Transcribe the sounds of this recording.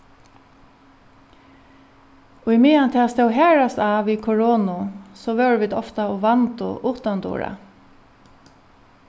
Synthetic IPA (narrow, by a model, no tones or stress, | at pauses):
ʊjmɪːant̪ʰɛːast̪ɛwɦɛːɹast̪aːʋikʰɔɹoːnʊsɔʋɛwɹʋiːd̪ɔft̪aɔʋant̪ʊ̰ʔuːt̪ant̪ṵːɹa̰